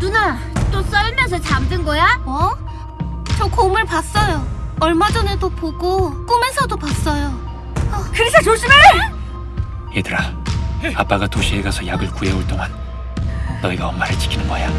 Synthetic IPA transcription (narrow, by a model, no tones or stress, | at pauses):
tuna | t͈os͈ʌɭmjʌnsʰʌt͡ɕamdɯnɡʌjaʌ | t͡ɕʌkʰoːmɯɭpas͈ʌjoʌɭmad͡ʑʌnedopoɡok͈umensʰʌdopas͈ʌjo | ʌkɯɾesʰʌt͡ɕoɕ͈ʰime | jedɯɾa | ap͈aɡatoɕʰieɡasʰʌjaɡɯɭkueoɭt͈oŋanː | ʌiɡaʌmːaɦet͡ɕi̥kʰinɯnbʌja